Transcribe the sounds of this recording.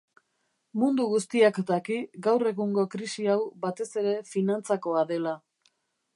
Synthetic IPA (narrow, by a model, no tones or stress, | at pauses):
mund̪uɣust̪iakd̪akiɡawre̞ɣuŋɡo̞kɾisiawbat̪e̞se̞ɾe̞finant͡sako̞aðe̞la